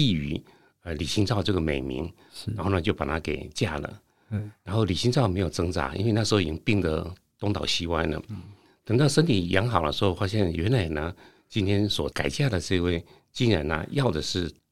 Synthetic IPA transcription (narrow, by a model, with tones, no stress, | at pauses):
i˥˩y̰˧˥ | ə˧li˨˩ɕi˧˥ŋt͡sɑ˥˧ʊʈ͡ʂɤ˥˩ɡə˩me˨˩ɪmḭ˧˥ŋ | ɻa˧˥nxo˥˩nə˧˩t͡ɕjo˥˩ʊpa˨˩t̪ʰa˥ke˨˩ɪt͡ɕja˥˩lə̰˩ | ɻa˧˥nxo˥˩ʊli˨˩ɕi˥ŋt͡sɑ˥˩ʊme˧˥ɪjo˨˩ʊt͡sɤ˥ŋt͡sa̰˧˥ʔḭ˥nwe˥˧ɪna˥ʂ̩˧xo˧i˨˩t͡ɕi˥˧pi˥˩ŋd̪ə˧˦t̪ʊ˥˧ŋt̪ɑ˨˩ʊɕi˧˥kwa˥˩nnə̰˩ | t̪ɤ˨˩ŋt̪ɑ˥˩ʊʂə˥nt̪ʰi˨˩jɑ˧˥ŋxɑ˨˩ʊlə̰˧˦ʂɻ̩˧˥xo˥˧ʊfa˥ɕjɛ˥˩nɥɛ˧˥nla˨˩nə˧˦ | t͡ɕi˧˥nt̪ʰjɛ˥nswɔ˨˩˦ka̰˨˩ɪt͡ɕja˥˩d̪ə˩ʈ͡ʂɤ˥˧we˥˩ɪ | t͡ɕi˥nɻa̰˨˩nə̰˧˦jɑ˥˩ʊd̪ə˩ʂɻ̩˥˩